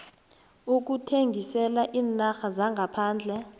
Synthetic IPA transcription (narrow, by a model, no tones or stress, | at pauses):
uk̬utʰeŋɡʱisɛlaʔiːnaxazaŋɡʱapʰaːnd͡ɮʱɛ